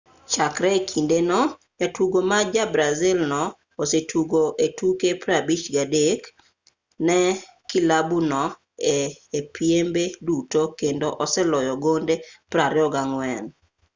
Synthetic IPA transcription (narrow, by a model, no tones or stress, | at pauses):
t͡ʃakɾɛkʰindenɔ | jatuɡomad͡ʒabɾazɪlnɔː | setʰuɡoʔetukepɾabit͡ʃɡadek | nɛ | kilabunɔ | eːpʰjembedutokendoʔɔsɛlɔjɔɡondepɾaɾɪɔɡaŋwɛn